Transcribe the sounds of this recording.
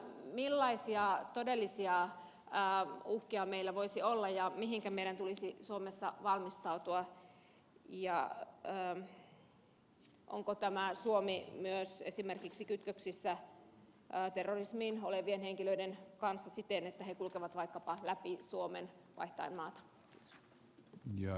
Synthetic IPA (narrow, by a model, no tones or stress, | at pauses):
milːɑisiɑt̪odelːisiɑ | əːuhkiɑmeilːæʋoisiolːɑjɑmiɦiŋkæmeiɾænt̪ulisisuomesːɑʋɑlmist̪ɑut̪uɑ | jɑ̰əː | ʔo̰ŋkot̪æmæsuomimyøsḛsimerkiksikyt̪køksisːæ | ʔt̪erːorismiːnoleʋienheŋkiløidenkɑnsːɑsit̪enet̪ːæhekulkeʋɑt̪ʋɑikːɑpɑlæpisuomḛnʋʔɑ̰iht̪ɑ̰immɑːt̪ɑ̥ | kiːt̪o̥s | jɑ